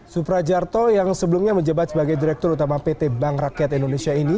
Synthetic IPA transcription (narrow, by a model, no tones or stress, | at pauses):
supɾad͡ʒart̪ɔjaŋsəbəlumɲaməɲd͡ʒabat̪səbaɡajdiɾɛk̚t̪ʊɾut̪amapet̪ebaŋrakiat̪indonesiaini